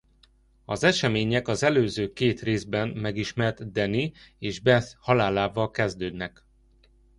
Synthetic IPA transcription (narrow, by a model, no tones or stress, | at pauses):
ɒzɛʃɛmeːɲɛkɒzɛløːzøːkeːt̪reːzbɛnmɛɡiʃmɛrt̪d̪ɛnieːʒbɛθhɒlaːlaːvɒlkɛzd̪øːd̪nɛk